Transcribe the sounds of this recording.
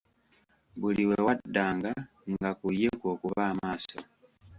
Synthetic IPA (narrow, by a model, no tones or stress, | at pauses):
βuliwewadːaːŋɡa | ŋɡakujekoːkuβaːmaːso